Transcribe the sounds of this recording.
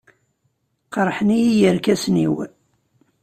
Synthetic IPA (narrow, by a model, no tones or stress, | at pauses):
qəɾˤħnijijəɾkæsnḭw